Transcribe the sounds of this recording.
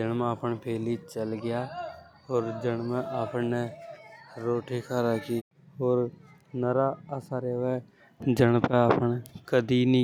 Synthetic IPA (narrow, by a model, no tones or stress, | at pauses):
d͡ʒənm̃əːpəɳpʰeːliːt͡ʃəlɡɪjaː | oːɾd͡ʒəɳmɛ̃ʔaːpneː | ɾoːʈʰiːkʰaːɾaki | oːɾ | nəɾaːəsaːɾeːʋɛː | d͡ʒəɳpɛ̃aːpəɳkəd̪iːnĩ